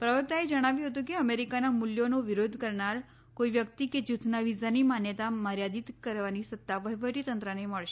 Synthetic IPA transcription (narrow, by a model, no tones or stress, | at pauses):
pɾəʋək̚t̪aed͡ʒəɽ̃aʋjũɦət̪ũkeəmeɾikanamuljonoʋiɾod̪ʱkəɾɳaɾ | koiʋjəkt̪iked͡ʒut̪ʰnaʋizanimanjət̪amaɾjad̪it̪kəɾʋanisət̪ːaʋəɦʋəʈit̪ənt̪ɾəneməɭʃe